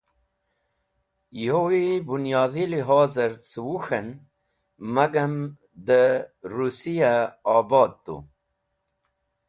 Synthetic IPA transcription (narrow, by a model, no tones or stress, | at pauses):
jowibunjɑːðiliɦɑːzəɾt͡swuxən | maɡam | d̪əɾusijaɑːbɑːd̪̚t̪ːṵ